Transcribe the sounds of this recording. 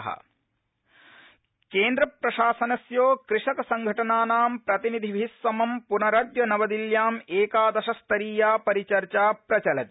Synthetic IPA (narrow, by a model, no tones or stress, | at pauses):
ɦɐ̰ | keːnd̪ɾɐpɾɐʃaːsɐnɐsjoːkɾɪʂɐkɐsɐŋɡʱɐʈɐnaːnaːmpɾɐt̪inid̪ʱiʋiɦisːɐmɐmpunɐɾɐd̪jɐnɐʋɐd̪iljaːmeːkaːd̪ɐʃɐst̪ɐɾiːjaːpɐɾit͡ʃɐɾt͡ʃaːpɾɐt͡ʃɐlɐt̪i̥